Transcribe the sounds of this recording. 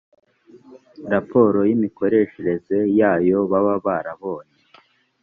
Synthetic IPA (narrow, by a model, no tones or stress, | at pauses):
ɾapʰo̞ːɾo̞jimiko̞ɾe̞ʃeɾe̞ze̞jaːjo̞βaβaβaɾaβo̞ːne